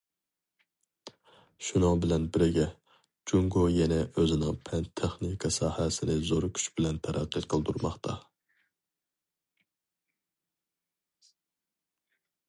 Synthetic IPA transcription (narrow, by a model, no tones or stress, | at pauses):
ʃunɨŋbɪlɛnbɪɾɪɡʲɛ | d͡ʒuŋɡojɛnɛʔøzɪnɪŋpʰɛnt̪ʰeχnikʰɑsɑːhɛsɪnɪzoɾkʲʰy̥t͡ʃbɪlɛnt̪ʰɛɾæ̰qʰːəqʰəlˠd̪uɾmɑχt̪ʰɑ